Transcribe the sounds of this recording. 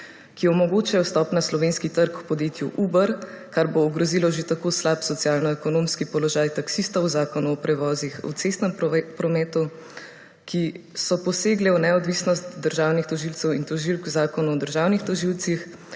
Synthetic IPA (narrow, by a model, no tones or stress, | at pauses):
kiɔmɔɡoːt͡ʃajɔst̪ɔːpnaslɔʋeːnskit̪əɾkwpɔd̪jeːt̪juʔuːbəɾ | kaɾboːɡɾɔzilɔʒet̪akoːslaːpsɔt̪sjaːlnɔɛkɔnoːmskipɔlɔʒajt̪aksist̪ɐwzaːkɔnuɔpɾɛʋɔːzixṵt̪sest̪nɛmpɾɔmɛːt̪u | kisɔpɔseːɡlɛunɛɔd̪ʋisnɔst̪d̪əɾʒaːwnixt̪ɔʒilt̪sɛwint̪ɔʒilkzaːkɔnuɔd̪əɾʒaːwnixt̪ɔʒilt̪six